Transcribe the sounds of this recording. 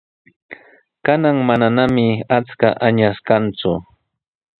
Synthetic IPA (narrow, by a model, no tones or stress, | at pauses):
kanaŋmananamɪat͡skaʔaɲaskant͡sʊ